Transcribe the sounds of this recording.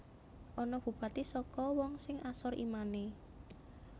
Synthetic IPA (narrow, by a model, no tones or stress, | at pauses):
ʔɔnɔb̥ṳb̥ä̤t̪isɔkɔwɔŋsɪŋʔasɔrḭmane